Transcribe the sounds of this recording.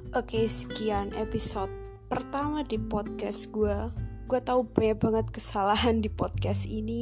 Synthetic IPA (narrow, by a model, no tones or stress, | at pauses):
ʔokesə̥kianʔepisɔt̪̚ | pərt̪amadipɔd̪̚kɛsɡ̥uaɡ̥uat̪aubaɲabaŋət̪̚kəsalaɦandipɔd̪̚kɛsini